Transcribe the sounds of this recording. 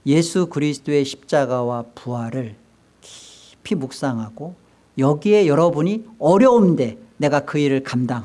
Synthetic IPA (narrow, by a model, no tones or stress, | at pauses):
je̞sʰukɯɾisʰɯ̥t͈oe̞ɕʰi̥p̚t͡ɕ͈aɡawapuaɾɯɭ | ki̥ | pʰimuk̚s͈aŋɦaɡo | jʌɡie̞jʌɾʌbuɲiʌɾjʌumde̞ne̞ɡakɯiɾɯɭkamdaŋɦ